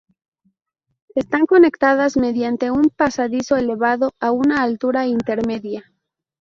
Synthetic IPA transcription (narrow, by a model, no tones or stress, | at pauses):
est̪aŋko̞ne̞kt̪aðazme̞ðjant̪e̞umpasaðiso̞e̞le̞βaðo̞aunaːlt̪uɾaint̪e̞ɾme̞ðja